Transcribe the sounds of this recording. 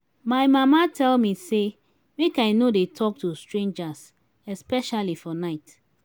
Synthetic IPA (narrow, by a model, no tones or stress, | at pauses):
maɪmamatʰɛlmise | mekaɪnodetʰɔk̚tustɹẽnd͡ʒas | ɛspɛʃalifɔnaɪt